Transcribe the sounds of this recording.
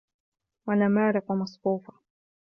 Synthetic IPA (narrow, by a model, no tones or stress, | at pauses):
wanamaːɾɪqʊmɑsˤfuːfḁ